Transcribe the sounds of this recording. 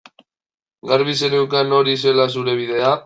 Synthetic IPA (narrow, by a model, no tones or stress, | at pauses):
ɡaɾβiseɾewkano̞ɾis̬e̞las̬uɾe̞β̞iðe̞a